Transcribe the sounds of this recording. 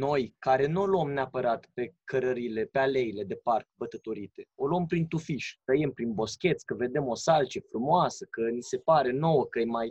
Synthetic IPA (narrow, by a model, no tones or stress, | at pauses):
no̞jkaɾe̞nuoluomneapəɾat̪pe̞kʰəɾəɾile̞peale̞ile̞d̪e̞park̚bət̪ət̪oɾit̪e̞o̞lompɾint̪ufiʃʲt̪əjempɾinbo̞skʲe̞t̪sʲkəve̞d̪e̞mo̞salt͡ʃəfɾumoasəkənise̞paɾe̞no̞wəkəjmaj